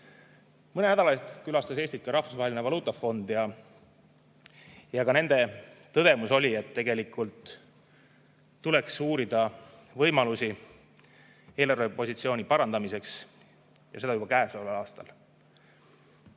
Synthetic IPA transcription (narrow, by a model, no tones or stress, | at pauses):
mɤnenæd̪ɑlɑest̪kylɑst̪ɑse̞ːsʲt̪it̪kːɑɾɑhfu̥svɑɦelinevɑluːt̪ːˑɑfo̞nd̪̥jɑ | jɑkɑne̞nd̪̥e̞t̪ɤd̪̥e̞muso̞lʲie̞t̪ːe̞ɡe̞likːˑult̪ | ule̞ksuːɾid̪ɑvɤjmɑlusi | e̞ːlɑrvepo̞sit̪sio̞ːnʲipɑɾɑnd̪ɑmise̞ks | jɑ̰se̞ɑjubɑkæːesolelɑːst̪ɑ̰l